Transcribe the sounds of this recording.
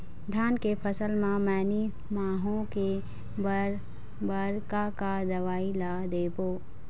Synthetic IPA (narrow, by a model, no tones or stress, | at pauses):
d̪ʱjaːnkepʰəsəlmãmɛːni | maːɦõke | b | bəɾkakad̪ɐʋaːilad̪eːboː